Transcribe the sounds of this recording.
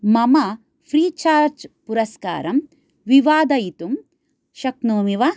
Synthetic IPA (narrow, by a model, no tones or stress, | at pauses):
mɐmɐ | pʰɾiːt͡ʃaːɾd͡ʒpuɾɐska̰ːɾɐm | ʋiʋaːd̪ɐjit̪um | ʃɐknoːmiʋɐ